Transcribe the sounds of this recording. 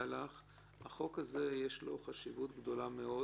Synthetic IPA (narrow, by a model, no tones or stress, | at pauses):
laχ | haχo̞khaze̞jeʃlo̞χaʃivut̪ɡd̪o̞lame̞o̞